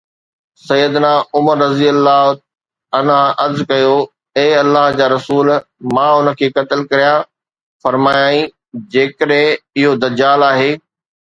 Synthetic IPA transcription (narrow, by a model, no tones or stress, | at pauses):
sɐjːəd̪naʊməɾːɐzijəlːaː | ɐnaʔɐzkɐjo | eːɐlːaːɦd͡ʑaːɾɐsuːlmãːʊnə̆kʰeːkɐt̪ɪlkɐɾija | fɐɾmaːjaːĩ | d͡ʑeːkəɗɦɪ̃ɪɦod̪ɐd͡ʑaːlaːɦeː